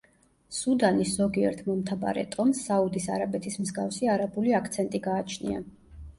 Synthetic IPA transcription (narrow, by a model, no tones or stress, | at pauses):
sud̪anisz̥ɔɡiɛ̰ɾt̪ʰmɔmt̪ʰaba̰ɾɛ̰t̪ʼɔmsːaud̪isa̰ɾabɛt̪ʰismzɡafsiaɾabuliakʰt̪sʰɛnt̪ʼiɡaːt͡ʃʰnḭa̰